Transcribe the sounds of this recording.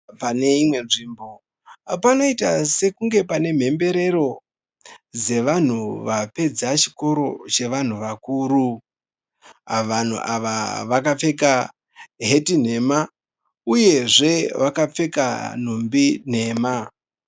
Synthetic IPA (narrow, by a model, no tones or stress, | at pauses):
pane̞imwe̞nʐiːmbo̞ | panoitase̞kuŋɡe̞pane̞m̤e̞mbe̞ɾe̞ɾo̞ | d͡ze̞ʋan̤uʋape̞d͡zat͡ʃi̥ko̞ɾo̞t͡ʃe̞ʋan̤uʋakuːɾu | ʋan̤ṵʔaʋaʋakap͡fe̞ka | ɦe̞tin̤e̞ma | uje̞ʐe̞ʋakap͡fe̞ka̰n̤umbin̤e̞ːma